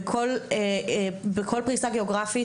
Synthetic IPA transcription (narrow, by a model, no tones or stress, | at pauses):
kʰolebekʰo̞lpʁisaɡeoɡʁafi